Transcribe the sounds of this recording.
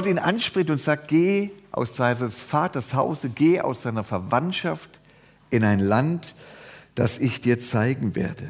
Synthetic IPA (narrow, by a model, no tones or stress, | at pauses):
ɡɔtiːnʔanʃpʁ̥ɪçtʊntz̥aːk̚t̚ɡ̥eːʔa̰ʊsz̥aɪnəsfaːtɐshaʊzəɡ̥eːʔa̰ʊsz̥aɪnɐfɛɐvantʃaft | ʔɪnaɪnlantd̥asɪçd̥iːɐt͡saɪɡŋ̩vḛːɐdə